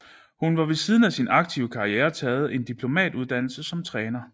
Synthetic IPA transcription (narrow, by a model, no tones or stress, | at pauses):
hunʋɑ̈ʋe̝siːð̞ˠn̩æsinɑ̈ɡ̥̚t͡sʰiʊəkʰɑ̈ieːɐt͡sʰɛːð̞̩ˠe̝nd̥ipʰlo̝mɛ̰ːd̥uð̞ˠd̥æn̰l̩səsɒ̽mt͡sʰʁɛːnɐ